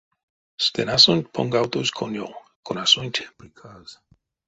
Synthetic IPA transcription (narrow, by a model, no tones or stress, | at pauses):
st̪enasont̪pʰõ̰ŋɡawt̪oskʰonjo̰konasont̪